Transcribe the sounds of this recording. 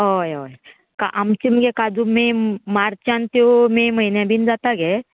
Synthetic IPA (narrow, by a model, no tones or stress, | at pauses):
ɦojoj | ka̰ʔamt͡ɕiməɡekad͡zumemaɾt͡ɕãnt̪omeməinjãbiːnd͡zat̪aɡe